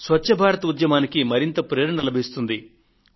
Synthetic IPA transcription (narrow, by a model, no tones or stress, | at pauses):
sʋɐt͡ʃːʃɐbʱaːɾɐt̪ɐud̪jɐmaːnikimɐɾint̪ɐpɾeːɾnɐnilɐbʱist̪und̪i